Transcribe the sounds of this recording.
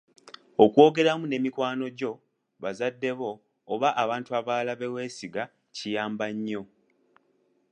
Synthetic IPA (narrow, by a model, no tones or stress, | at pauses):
okwo̞ːɡe̞ɾamune̞mikwaːno̞ɟo̞ | βazadːe̞βo̞ː | βaʔːβaːntuaβaːlaβe̞we̞ːsiɡa | cijaːmbaɲːo̞